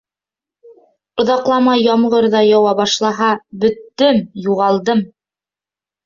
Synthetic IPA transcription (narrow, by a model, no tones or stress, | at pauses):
ŏðɑqlˠɑmɑjɑmʁɤɾðɑjɑwɑβɑʃlˠɑɦɑbɵ̆t̪ːɘmjuʁɑlˠd̪ɤm